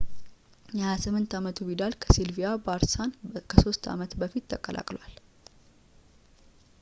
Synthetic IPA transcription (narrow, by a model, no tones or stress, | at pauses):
jɛhajasɨmːɨnt̪amət̪ʰuβid̪alkʰəsilvijabaɾsankʰəso̞st̪ʰa̰mət̪bəfit̪ːʰəkʼːəlʔa̰kʼlwal